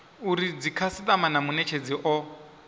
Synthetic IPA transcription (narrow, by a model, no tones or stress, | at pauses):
uɾid͡zikʰasit̪ʼamanamunɛt͡ʃʰed͡ziʔɔ